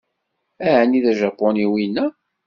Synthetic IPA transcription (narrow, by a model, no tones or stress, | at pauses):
æʕnːiðæʒɑpːoniwinːæ